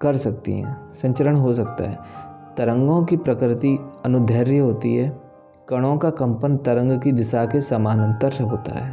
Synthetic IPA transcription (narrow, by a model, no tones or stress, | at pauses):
kɐɾsɐkt̪ḭɦɛ̰̃ːsɐ̃ɲt͡ʃəɾəɽɦos̬ɐkt̪a̰ɦɛ̰ːt̪ɐɾə̃ŋɡõkipɾɐkɾɪt̪iɐnʊd̪ʱəːɾjəɦoːt̪ḭɦɛː | kɐɽ̃õkakɐ̃mpənt̪ɐɾə̃ŋɡkid̪ɪʃakesɐmaːnə̃nt̪əɾɦoːt̪a̰ɦɛ̰ː